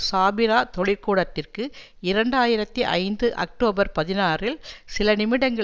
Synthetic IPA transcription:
saːbɪɾaːt̪ɔɭɪɾkuːɽɐt̪ːɪrkɯ | ɪɾɐɳɖaːjɪɾɐt̪ːiʔɐ̰ɪnd̪ɯʔɐ̰k̚ʈoːbɐɾpɐðɪnaːrɪlsɪlɐnɪmɪɽɐŋɡɐ

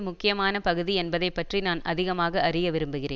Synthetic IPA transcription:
mʊkːɪjɐmaːnɐpɐɣɯðiɛnbɐðɐɪpːɐʈrinaːnʔɐ̰ðɪɣɐmaːɣɐɐrɪjɐʋɪɾɯmbɯɣɪrḛː

